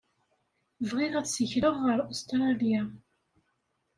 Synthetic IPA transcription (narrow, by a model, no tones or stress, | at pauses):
vʁɪðæt͡sːsəçɾəʁːəɾost̪ɾˤɑlia